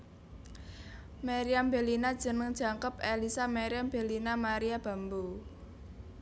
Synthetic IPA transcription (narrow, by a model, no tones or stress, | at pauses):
meɾiambe̤linad̥ʒ̥ə̤nəŋd̥ʒ̥a̤ŋkəpelisameɾiamb̥elinamaɾiab̥ä̤mbo